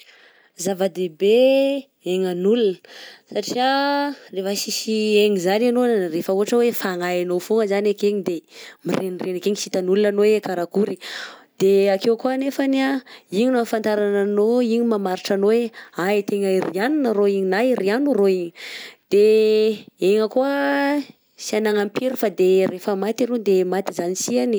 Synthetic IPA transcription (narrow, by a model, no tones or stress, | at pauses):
zavəd̪ebe | eŋanulunəsaʈ͡ʂiarefəsisieŋizananonnrefəuɦaʈ͡ʂəwefaŋajanofuŋəzanakeɲid̪emiɾʔenirenakeɲisit̪anulunanowekaɾakuɾid̪̥eakewkuanefaniaiɲinafant̪aɾananoiɲimamaɾiʈ͡ʂanoweait̪eŋairianinəroiɲinaiɾianuroiɲid̪̥e | eŋəkuə | sianaŋampiɾifad̪eɾʔefəmat̪iɾud̪emat̪izanisiani